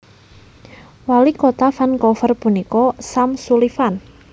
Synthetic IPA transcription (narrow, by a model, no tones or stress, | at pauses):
walikot̪afankɔfərpunikɔsamsulifan